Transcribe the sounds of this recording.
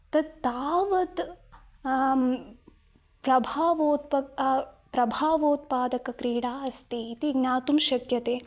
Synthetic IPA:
t̪ɐd̪t̪aːʋɐt̪ | pɾɐbʱaːʋoːt̪̚pɐpɾɐbʱaːʋoːt̪̚paːd̪ɐkɐkɾiːɽaːɐst̪iːt̪iɡnaːt̪umʃɐkjɐt̪eː

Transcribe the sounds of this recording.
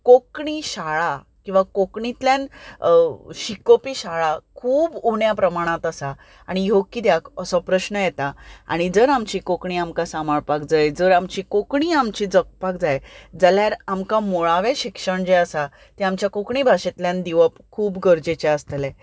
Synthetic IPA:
kokɳiɕaɭa | kĩw̃ʋakokɳit̪ljãn | ɕikopiːɕaɭakʰuːbuɳjapɾəmaɽ̃ãt̪əsa | aɽ̃iɦokːid̪jakəsɔpɾəɕnəjɛt̪aa̰ɽ̃id͡zəɾamt͡ɕiːkokɳiamkasamaɭpakd͡zajd͡zəɾamt͡ɕiːkokɳiːamt͡ɕiːd͡zək̚pak̚d͡zajd͡zəljaɾamkamoɭaʋeɕikʂəɳd͡ʑeəsa | t̪iamt͡ɕjakokɳibʱaɕet̪ljãnd̪iʋəpkʰuːbɡəɾd͡ʑet͡ɕɛəst̪əlɛ̃

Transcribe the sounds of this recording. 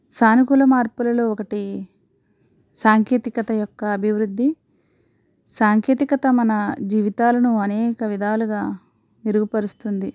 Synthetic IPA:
saːnikulɐmaːɾpulɐloːɔkɐʈi | saːŋkeːt̪ikɐt̪ɐjɔkːɐːbʱiʋɾud̪ʱːi | saːŋkeːt̪ikɐt̪ɐmɐnɐd͡ʒiːʋit̪aːlɐnuɐnɛːkɐʋid̪ʱaːluɡaː | niɾuɡupɐɾust̪und̪i

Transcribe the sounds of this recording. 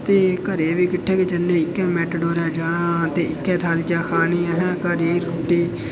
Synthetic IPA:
t̪eːkəɾeːʋiːkɪʈʰːeːket͡ʃənːẽːɪkːɛ̃ːmɛːʈɖoːɾɛ̃ːd͡ʒaːɽãːt̪eːɪkːɛːt̪ʰaːld͡ʒãːkʰaːniːaːɦɛ̃ːkəɾiːɾoːʈiː

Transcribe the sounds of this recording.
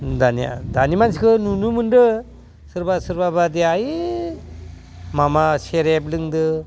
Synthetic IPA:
d̪anija̰danimans̬ikʰɯnunumɯndɯ | sɯɾbasɯɾbabad̪eaji | mamaseɾeblɯŋd̪ɯ

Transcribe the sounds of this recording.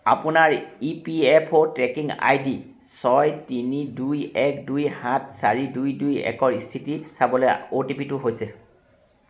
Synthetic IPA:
a̰pʊnaɹipiɛpʰotɹɛkiŋa̰jdi | sɔjtinidujɛkdujhãt̚ʰsaɹidujdujɛ̰kɔɹistʰitisabɔlojotipitʊɦojsɛ

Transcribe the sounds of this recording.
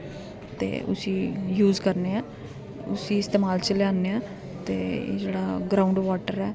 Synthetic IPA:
t̪ḛːʊ̰siːjuːzkəɾneːɛː | ʊsiːɪst̪eːmaːlt͡ʃəljaːneːɛː | t̪ḛːd͡ʒeːɽaːɡɾaːʊɳɖʋaːʈəɾɛː

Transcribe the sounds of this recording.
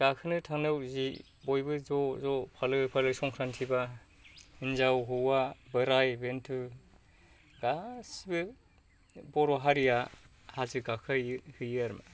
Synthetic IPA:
ɡ̥akʰɯnɯtʰaŋnɯwzi | bojbɯzɔzɔpʰalɯpʰalɯsɔŋkʰɾantʰiba | inzawɦɯwabɯɾajbentʰɯ | ɡasbɯ | bɔɾɔɦaɾija | hazɯɡakʰajhɯjɯɾm

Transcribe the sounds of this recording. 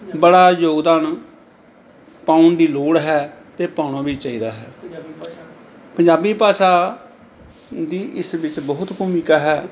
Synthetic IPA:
bəɽaːjoːɡd̪aːn | pãːʊɳd̪iːloːɽɦɛːt̪eːpãːʊɳaːbiːt͡ʃaːiːd̪aːɦɛː | pəɲd͡ʒaːbiːpaːsaː | d̪iːʔɪsʋɪt͡ʃbəɦʊt̪buːmiːkaːɦɛː

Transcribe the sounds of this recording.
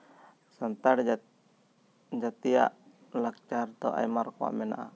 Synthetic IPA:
sant̪aɽ | d͡ʒat̪ia̰ʔ | lak̚t͡ʃart̪ɔʔa̰jmarkoa̰ʔmɛna̰ʔa

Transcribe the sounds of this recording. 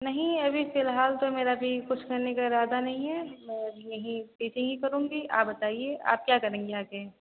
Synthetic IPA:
nɐɦĩɐbʱifɪlɦaːlt̪omeːɾabʱikʊt͡ʃʰkɐɾnekaɪɾaːd̪anɐɦĩɦɛmɛ̃ɐbʱijɐɦĩpiːt͡ʃɪ̃ŋɡɦikɐɾũːŋɡia̰ːpbɐt̪aːieʔa̰ːp̚kjaːkɐɾẽːŋɡeaːke

